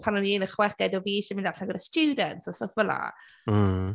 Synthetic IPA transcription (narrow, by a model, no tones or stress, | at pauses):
pʰanɔniɪnəχwɛkɛdɔviːʃəmindaɬanɡədastuːdəntsɔsofvəlˠa̰